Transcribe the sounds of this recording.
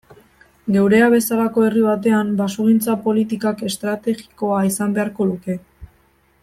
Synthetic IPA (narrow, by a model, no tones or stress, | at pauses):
ɡe̞wɾe̞aβ̞e̞salako̞e̞riβat̪e̞ambasoɣ̞int͡sapo̞lit̪ikake̞st̪ɾat̪e̞ɣi̥ko̞aisambe̞aɾko̞luke̞